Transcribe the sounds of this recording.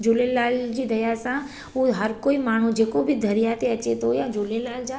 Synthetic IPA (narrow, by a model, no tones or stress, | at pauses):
d͡ʒoːlelaːld͡ʑiːd̪ɐjasã | uɦəɾkoːimaːɳ̤ũd͡ʒeːkobʱid̪ʱɐɾijat̪eɐt͡ʃet̪oojãd͡ʒoːlelaːld͡ʒa